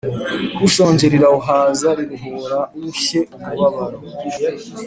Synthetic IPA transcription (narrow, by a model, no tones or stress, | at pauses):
uʃoːɲɟeɾiɾauɦaːzaɾiɾuɦuːɾauçeumuβaβaɾo